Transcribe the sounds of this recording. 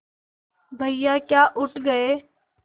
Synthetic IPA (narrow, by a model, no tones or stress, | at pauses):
bʱəɪjaːkjaːʔʊʈɡəeː